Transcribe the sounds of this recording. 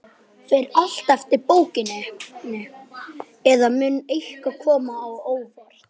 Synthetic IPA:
fɪɾal̥t̪ɛft̪ɪpoːwcɪnɪnɪ | ɛðamʏnːejhkakʰɔːmaːwoːwvɔɾ

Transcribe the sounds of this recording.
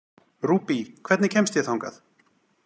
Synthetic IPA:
ɾuːpikʰvɛt̪nɪcʰɛmst̪jɛθawŋka̰θ

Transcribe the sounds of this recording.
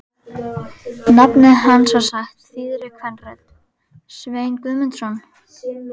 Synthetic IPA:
napnɪðɦanːsvasaxt̪θiːðɾɪkʰvɛnrɛt̪ | sveːjnkʏðmɛnt̪ɾɔn

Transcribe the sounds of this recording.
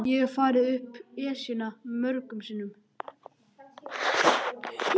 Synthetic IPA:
jɛɣɛɾfaːɾɪʏhpɛːsinamœɾkʏmsiːnʏm

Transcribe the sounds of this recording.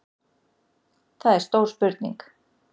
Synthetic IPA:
θaðɛɾ̥st̪owɾ̥spʏɾt̪nḭŋk

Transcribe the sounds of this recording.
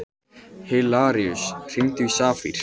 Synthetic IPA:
helaːɾiʏsr̥iŋt̪ʏisaːfḭɾ̥

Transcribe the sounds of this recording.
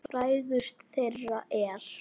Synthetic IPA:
pɾaːjðʏst̪θejrːaʔɛɾ̥

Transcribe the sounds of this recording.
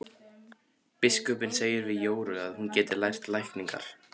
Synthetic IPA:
pɪskœpɪnseːjɪɾvɪðjoːwɾʏɣaðhuncɛːt̪ɪlajr̥t̪lajhkniŋka̰ɾ̥

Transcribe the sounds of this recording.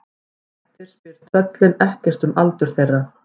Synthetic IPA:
t̪ɪɾ̥spɪɾ̥t̪t̪œt̪lɪnɛhcɛ̥t̪ʏmalt̪ʏɾ̥θejrːa

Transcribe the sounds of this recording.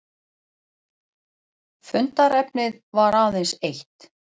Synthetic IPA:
fʏnt̪aɾɛpnɪðvaɾaːwðensejht̪

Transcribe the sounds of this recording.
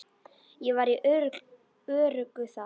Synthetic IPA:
jɛvaɾi | œːrʏkʏθa

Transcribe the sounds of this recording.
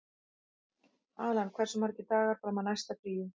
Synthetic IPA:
aːlankʰvɛr̥sʏmaɾɛcːɪt̪aːɣaɾ̥paɾamanajst̪apɾiːʏ

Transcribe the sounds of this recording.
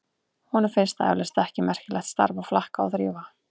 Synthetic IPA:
hɔnʏmfɪnst̪aɛ̰vlɪst̪ɛhcɪmɛr̥cɪlɛxt̪st̪a̰ɾvawflahkaa̰wθɾiːva

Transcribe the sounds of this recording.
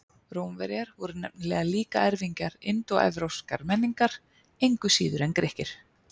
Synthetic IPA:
ɾoːwmvɛɾjaɾvɔɾʏnɛp̚nɪlɛːɣaliːka̰ɛɾviɲcaɾɪnt̪ɔɛ̰vɾowska̰ɾmɛnːiŋkaɾ̥ | ejŋkʏsiːðʏɾɛnkɾehcɪɾ̥

